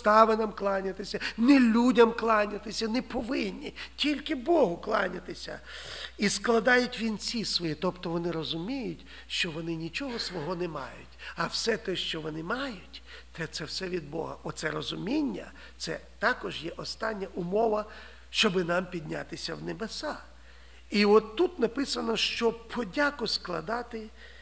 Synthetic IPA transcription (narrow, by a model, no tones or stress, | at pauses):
st̪ɑʋenɐmklˠɑnʲɐt̪ɪsʲɐnɛlʲudʲɐmklˠɑnʲɐt̪ɪsʲɐnɛpɔʋɪnʲːitʲilʲkɪbɔɦʊklˠɑ̰nʲɐt̪ɪsʲɐ̰isklˠɐd̪ɑjʊtʲʋʲint͡sʲisʋɔjit̪ɔpt̪ɔʋɔnɪɾɔzʊmʲijʊtʲ | ʃt͡ʃɔʋɔnɪnʲit͡ʃɔɦɔsʋɔɦɔnɛmɑ̰jʊtʲɐwsɛt̪ɔʃt͡ʃɔʋɔnɪmɑjʊtʲt̪ɛt̪sɛwsɛʋʲid̪̚bɔ̰ɦɐ̰ɔt̪sɛɾɔzʊmʲinʲːɐ̰ | t̪sɛ̰t̪ɑkɔʒjɛʔɔst̪ɑnʲːɐʔʊmɔʋɐ | ʃt͡ʃɔbɪnɑmpʲid̪ʲnʲa̰t̪ɪsʲɐwnebesɑ | iɔt̪ːut̪nɐpɪsɐnɔʃt͡ʃɔpʰɔdʲakʊsklˠɐ̰d̪ɑt̪ɪ